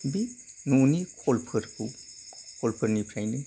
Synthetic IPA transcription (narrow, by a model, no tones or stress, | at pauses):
binunikʰolpʰəɾkukʰolpʰəɾnipʰɾajnɯ